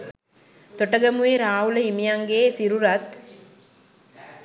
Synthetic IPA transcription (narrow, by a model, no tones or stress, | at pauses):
t̪oʈəɡɐmueɾaːɦuləimijaŋɡeːsiɾuɾɐt̪